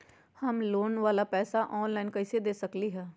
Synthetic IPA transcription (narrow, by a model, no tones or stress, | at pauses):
həmloːnʋaːlaːpɛːsaːʔɔːnlaːɪnkəɪseːd̪eːsəkliːɦɛː